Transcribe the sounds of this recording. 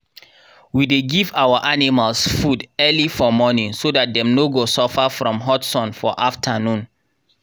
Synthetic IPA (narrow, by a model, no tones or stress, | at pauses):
wideɡivawaʔanimalsfudɛlifɔmɔnĩŋsodat̚dɛ̃mnoɡosɔfafɹɔ̃mɦɔtsɔ̃nfɔʔaftʰənũn